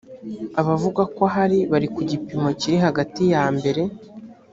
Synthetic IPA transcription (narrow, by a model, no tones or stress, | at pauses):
aβavuɡakwoɦaɾiβaɾikuɟipimo̞ciɾiɦaɡatijaːmbe̞ɾe̞